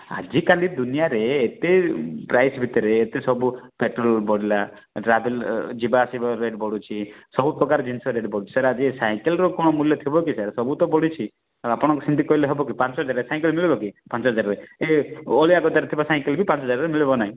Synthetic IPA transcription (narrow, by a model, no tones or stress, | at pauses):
a̰d͡ʒikalid̪unijaɾeːt̪epɾajsbʱit̪ɔɾeːt̪esɔbupeʈɾɔlbɔɽila | ʈɾabeld͡ʒibaːsibaɾeɖbɔɽut͡ʃʰisɔbupɾɔkaɾɔd͡ʒinsɔɾeɖbɔɽut͡ʃʰi̥saɾad͡ʒisaj̃kelɾɔkɔɽ̃ɔmuljɔt̪ʰibɔkisaɾsɔbut̪ɔbɔɽit͡ʃʰi | apɔɽ̃ɔkusind̪ikɔileɦebɔkipant͡ʃɔɦɔd͡ʒaɾesaj̃kelmiɭebɔkipant͡ʃɔɦɔd͡ʒaɾɾeeoɭiaɡɔt̪aɾet̪ʰibasaj̃kelbʱipãnt͡ʃɔɦɔd͡ʒaɾɾemiɭebɔnaĩ